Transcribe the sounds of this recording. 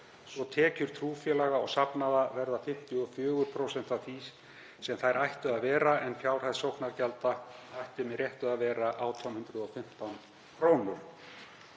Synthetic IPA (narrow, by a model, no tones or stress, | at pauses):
svɔt̪ʰɛːcʏɾ̥t̪ʰɾuːfjɛlaɣaɔɣsapnaðavɛɾðafɪm̥t̪jʏɔfjʏːɣʏɾ̥pʰɾowsɛn̥t̪afiːsː | ɛmθajɾajht̪ʏaðvɛːɾaɛnfjawr̥ajðsowknaɾcɛlt̪aajht̪ɪmɪrjɛht̪ʏaðvɛːɾaʔaːwt̪ʰɔwmhʏnt̪ɾʏðɔfɪm̥t̪awn | kʰɾoːwnʏɾ̥